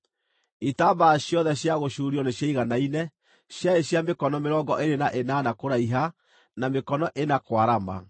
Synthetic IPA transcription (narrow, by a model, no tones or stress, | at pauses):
itaːbaɕjɔðɛɕjaɣoʃuːɾiɔneɕaiɣanainɛ | ɕjaeɕjamekɔnɔmeɾɔŋɡɔʔeɾenaʔenaːnakoɾaiɦa | namekɔnɔʔenakwaɾama̰